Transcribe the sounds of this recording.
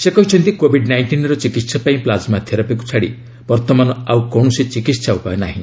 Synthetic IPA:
sekɔɦit͡ʃʰɔnt̪ikobʱiɖnajɳʈinɾɔt͡ʃikit̪sapaĩplad͡ʒmad̪ʱjɔɾapiku̥t͡ʃʰaɽḭ | b̥ɔɾt̪ɔmanɔawkɔɳɔsit͡ʃikit̪saupaena̰ɦĩ

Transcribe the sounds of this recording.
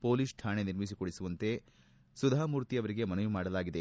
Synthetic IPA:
po̞ːliːsʈʰaːɳeniɾmisikoɽisuʋɐnt̪e̞ | sud̪ʱamuːɾt̪iɐʋɐɾiɡe̞mɐnɐjumaːɽɐlaːɡid̪e̞

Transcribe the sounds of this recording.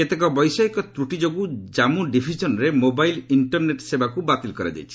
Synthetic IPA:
et̪ekɔbɔjsaikɔt̪ɾuʈid͡ʒoɡud͡ʒamuɖibʰʱid͡ʒɔnɾemobajliɳʈɔɾneʈsebakubat̪ilkɔɾa̰d͡ʒa̰jt͡ʃʰi̥

